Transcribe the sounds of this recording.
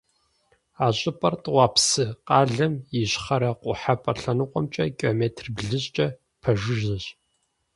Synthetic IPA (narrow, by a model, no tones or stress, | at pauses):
aːɕʼɪpʼɐrtʼwɑːpsɨqɑːɮɐmɪɕχɐɾɐqʷʼʊħapʼɐɬɐnɨqʷʼɔmt͡ʃʼɐkʼomeːtʰrbɮɨɕʼt͡ʃʼɐ | pʰɐʒɨʒɐɕ